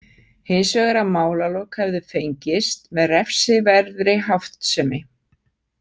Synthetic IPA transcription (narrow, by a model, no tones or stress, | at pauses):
hɪnsvɛːɣɛɾamaːwlalɔwkhɛvðʏfejɲcɪst̪mɛðrɛfsɪvɛɾðɾɪɦawft̪sɛmɪ